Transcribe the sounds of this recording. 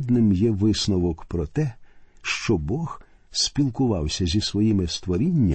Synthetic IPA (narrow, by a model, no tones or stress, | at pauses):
d̪nɪmjɛʋɪsnɔʋɔkpɾɔt̪ɛʃt͡ʃɔbɔx | spʲilˠkʊʋɑwsʲɐzʲisʋɔjimɪst̪ʋɔɾʲinʲːɐ